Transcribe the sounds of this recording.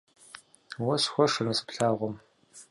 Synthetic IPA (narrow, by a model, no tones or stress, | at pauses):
wɐsxʷɔʂɨnɐsɨ̥pɬaːʁʷɔm